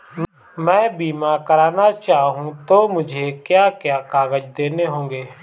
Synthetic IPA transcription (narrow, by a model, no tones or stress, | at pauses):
mɛ̃ːbiːmãːkəɾaːnaːt͡ʃaːɦũːt̪oːmʊd͡ʒʱeːkjaːkɪjaːkaːɡəd͡ʒd̪eːneːɦõːŋɡeː